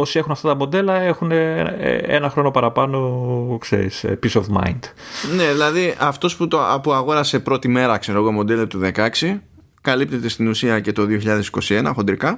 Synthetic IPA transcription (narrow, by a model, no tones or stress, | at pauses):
o̞sie̞xunɐft̪ɐt̪ɐmo̞d̪e̞lɐe̞xunḛḛnɐxɾo̞no̞pɐɾɐpɐno̞ksḛɾḭspisovmɐ̰jnd̪̥ne̞ðilɐðiʔɐft̪o̞sput̪opuɐɣo̞ɾɐse̞pɾo̞t̪ime̞ɾɐkse̞ɾo̞ɣo̞mo̞d̪e̞lot̪uðe̞kɐksi | kɐlip̚t̪e̞t̪e̞st̪inusiɐce̞t̪o̞ðioçiʎɐðe̞si̥ko̞sie̞nɐxo̞nd̪ɾikɐ